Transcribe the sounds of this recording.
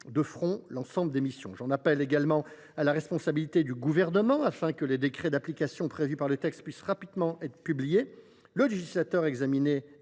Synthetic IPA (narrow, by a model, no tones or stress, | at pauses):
d̪əfχɔ̃lɑ̃sɑ̃bləd̪emisjɔ̃ʒɑ̃napɛleɡalmɑ̃ | alaʁɛspɔ̃sabilit̪ed̪yɡuvɛʁnəmɑ̃afɛ̃kəled̪ekχed̪aplikasjɔ̃pχevypaʁlət̪ɛkst̪̚pɥisʁapid̪mɑ̃ʔɛt̪χə̥pyblije | ləleʒislat̪œʁɛɡzamine